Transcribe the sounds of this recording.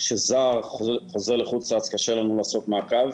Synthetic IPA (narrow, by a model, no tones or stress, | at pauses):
ʃezaːʁχozeʁleχut͡saat͡skaʃelanulaːsokmeakav